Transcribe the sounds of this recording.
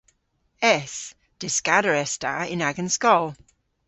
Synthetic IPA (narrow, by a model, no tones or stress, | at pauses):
ɛs | d̥ɪskaɾəɹɛsta̰ɪ̰̃naɡə̃nskɔlˠ